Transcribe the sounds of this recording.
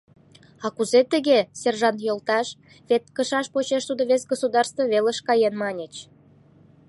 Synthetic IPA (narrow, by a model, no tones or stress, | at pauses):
ɑkuzet̪əɣeserʒɑnt̪jolt̪ɑʃ | βet̪kəʃɑʃpot͡ɕeʃt̪ud̪oβesɡosud̪ɑrst̪voβeləʃkɑjenmɑnʲet͡ɕ